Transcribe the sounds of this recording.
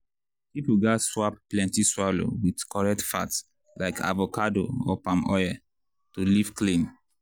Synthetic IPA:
pipuɡaswap̚plɛ̃ntiswalo̰widkɔɹɛk̚tfa̰t | laɪkʰa̰vokado̰ɔpãmɔjɛ | tuliv̥klĩm

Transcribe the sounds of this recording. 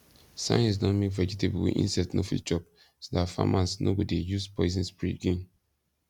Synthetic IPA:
sã̰ɪnisnɔtmekvɛd͡ʒitebwḭʔḭ̃nsɛtnofḭt͡ʃɔp | sodatfa̰mʔasno̰bɔdejuspɔizĩnspɹiɡĩn

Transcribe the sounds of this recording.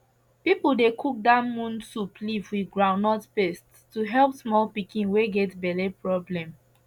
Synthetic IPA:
pipuldekʰuk̚damũnsuplivwiɡɹãʊnɔtpest | tːuɦɛlpsmɔlpikĩnweɡɛtbɛlepɹɔblɛ̃m

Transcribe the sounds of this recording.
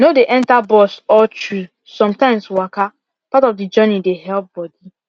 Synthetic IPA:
nodeʔɛ̃ntabɔsɔt͡ʃɹu | sɔ̃mtãɪ̃mswaka | patɔfdid͡ʒɜnideɦɛlp̚b̥ɔdi

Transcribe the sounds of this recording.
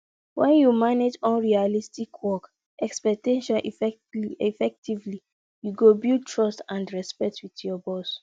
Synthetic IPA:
wʔɛ̃njumaned͡ʒɔ̃nɹialistikʰwɔk | ʔɛkspɛk̚tɛ̃ʃãʔf | ɛfɛk̚tʰivli | juɡobiltʰɹɔstãndɹɛspɛtwitjɔbɔs

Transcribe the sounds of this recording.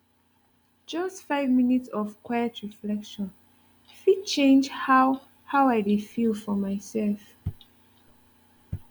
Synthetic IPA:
d͡ʒʌstfaɪvminitsɔvkʰwajətʰɹiflɛkʃɔ̃n | fit͡ʃẽnd͡ʒha | hawajdifilˠfɔmajsɛlf

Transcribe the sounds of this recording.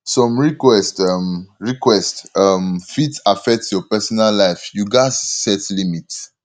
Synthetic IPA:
sɔ̃mɹikwɛstamɹikwɛstamfitafɛk̚tjɔpɛsɔnallaɪfjuɡaɪz̥sɛtlimits

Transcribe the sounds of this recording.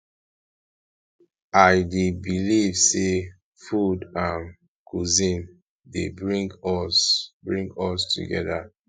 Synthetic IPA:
ʔaɪdebilivse | fudãn | kʰuzĩn | debɹĩŋɡɔsbɹĩŋɡɔstʰṵɡɛ̰ða̰

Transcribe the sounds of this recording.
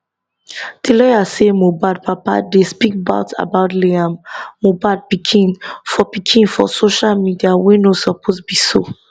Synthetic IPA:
tilɔjasemobad̚papa̰despikba̰ʊtʰa̰baʊtleãːobad̚pikʰĩnfɔpikʰĩnfɔ̰soʃalmidiawenosɔpʰosbiso

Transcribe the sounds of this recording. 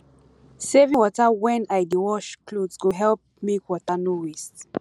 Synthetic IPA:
sevĩwɔtawɛ̃najdiwɔʃkludzɡoɦɛlp̚mekwɔtanuwist

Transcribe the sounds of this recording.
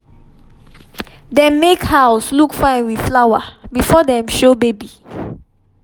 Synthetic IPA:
dɛ̃mmekhaʊslukfãɪ̃nwið̥flawa̰bifɔdɛ̃mʃobebi

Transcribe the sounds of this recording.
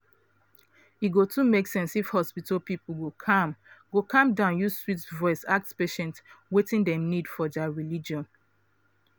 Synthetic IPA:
iɡotumeksɛ̃nsifhɔspitəlpipul̩ɡokʰãmɡokʰãmdãʊ̃njuswitvɔɪsak̚tspeʃɛ̃ntwetĩndɛ̃mnidfɔdaɹilid͡ʒɔ̃n

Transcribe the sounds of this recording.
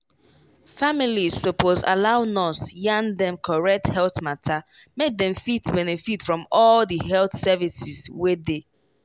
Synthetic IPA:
familiz̥ːopoza̰laʊnɔsjãndɛ̃mkʰɔɹɛk̚thɛlθmatʰamek̚dɛ̃mfitbɛnefitfɹɔ̃mɔldiɦɛlθsɛvisizwede

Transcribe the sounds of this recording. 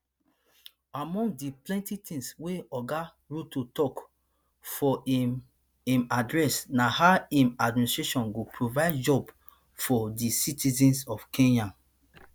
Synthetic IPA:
amɔ̃ŋɡ̚diplɛ̃ntitʰĩŋsweɔɡa | ɹutotɔk | fɔ | ĩmadɹɛsnahaĩmadministɹeʃɔ̃nɡopʰɹovaɪdd͡ʒɔb | fɔdisitʰizĩnsɔfkʰẽnjãm

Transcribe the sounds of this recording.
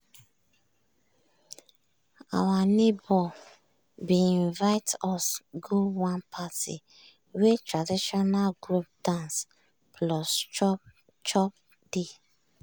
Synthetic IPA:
a̰wanebɔ | biĩɱvaɪtɔsɡowãnpʰatḭ | wetɹadiʃɔnalɡɾup̚d̥ãns | pʰlɔst͡ʃɔ | t͡ʃɔp̚ | d̥e

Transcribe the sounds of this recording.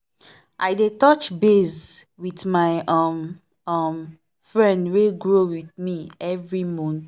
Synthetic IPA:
ʔaɪdetɔt͡ʃbezwiθmaɪɔm | ʌm | fɹɛ̃ndweɡɹowiθmiɛvɹimɔ̃n

